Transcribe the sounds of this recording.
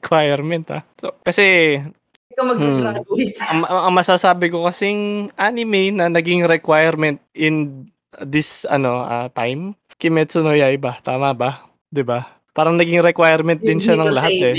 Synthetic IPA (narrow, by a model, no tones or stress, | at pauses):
kwajɛɾmɛnt̪a̰sokɐsɛ | ɐmɐ | ɐŋɐʔɐŋmɐsasaːbɪko̞kɐsiŋʔaːnɪmɛjnɐnɐɡɪŋɾɛkwajɛɾmɛnt̪̚ʔɪn | d̪ɪsɐ̰no̞ɐ̰t̪ajm | kɪmɛt̪sʊnojaʔɪbat̪aːmɐbɐ | d̪ɪba | paːɾɐŋnɐɡɪŋɾɛkwajɛɾmɛnt̪̚d̪ɪnʃanɐŋlɐɦat̪ɛ